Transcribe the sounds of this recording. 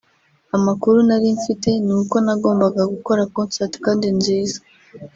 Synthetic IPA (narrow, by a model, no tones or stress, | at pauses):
amakuɾunaɾiɱfite̞nuːko̞naɡo̞ːmbaɡaɡuko̞ɾakoːnsati̥kaːndinziːza